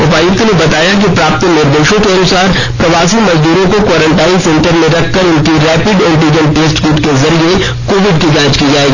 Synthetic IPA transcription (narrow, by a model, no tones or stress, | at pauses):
ʊpaːjʊt̪nebɐt̪aːjak̬ipɾaːp̚t̪nɪɾd̪eːʃõkeɐnʊsaːɾ | pɾɐʋaːsimɐzd̪uːɾõkokwaːɾə̃ɳʈaːinsẽɳʈəɾmẽɾɐkʰːəɾʊnkiɾɛːpɪɖɪ̃ɳʈid͡ʒə̃nʈeːsʈkuʈkezɐɾie | koːʋɪɖkiɡãːt͡ʃkid͡ʒaːeːɡiː